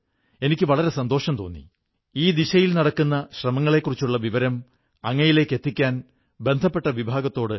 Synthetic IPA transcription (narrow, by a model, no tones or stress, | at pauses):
e̞nikʲːɨʋɐɭɐɾe̞sɐnd̪o̞ːʂɐmt̪o̞ːnːḭ | iːd̪iɕɐjilnɐɽɐkːunːɐɕrɐmɐŋːɐɭe̞kːurit͡ɕːuɭːɐʋiʋɐɾɐm | ɐŋːɐjile̞ːkːe̞t̪ːikʲːaːn | be̞nd̪ʱɐpːe̞ʈːɐʋibʱaːɡɐt̪ːo̞ːɽɨ